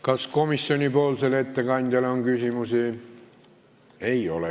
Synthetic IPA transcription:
kɑskomisːionipolselet̪ːækɑint̪ælæoŋkysimusiː | eiole

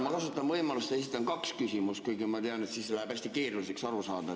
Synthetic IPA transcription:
mɑkɑsut̪ːˑɑnvɤjmɑlust̪eit̪ːˑɑnkɑkskysʲimust̪kujkumɑt̪eɑne̞t̪siːsːelæheb̥æsʲt̪ike̞ːɾulise̞ksɑɾusɑːd̪ɑ

